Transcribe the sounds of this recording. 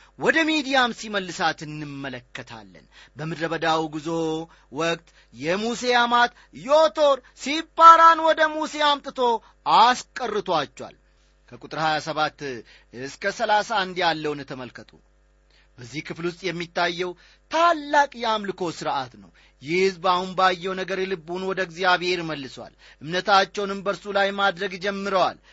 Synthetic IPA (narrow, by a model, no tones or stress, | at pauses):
wɔd̪əmid̪ijamsiməlːɨsat̪ɨnːɨmːələkːət̪ʰa̰lːə̰n | bəmɨd̪ɾəβəd̪awiɡɨzo̞ | wɔkʼt̪ʼ | jɛmusejamat̪ | jot̪ʰo̞ɾ | sibaɾanwɔd̪əmusejamt̪ʼɨt̪ʰo̞ | askʼərːɨt̪ʰwat͡ʃːɛwa̰l | kʰəkʼut̪ʼɨɾhajasəβat̪ː | ɨskʰəsəlasand̪jalːəwnɛt̪ʰəməlkʰət̪ʰṵ | bəzːihkʰɨflwʊst̪ʼjɛmːit̪ːajːɛw | t̪ʰalːakʼjamlɨkʰo̞sɨɾʔat̪nə̰w | jɪhɨzbahunbajːɛwnəɡəɾɛlɨbːunwɔd̪əɡzijaβe̞ɾməlːɨswa̰l | ʔɨmnət̪ʰat͡ʃːɛwnɨmbəɾsulajmad̪ɾəɡd͡ʒɛmːɨɾəwa̰l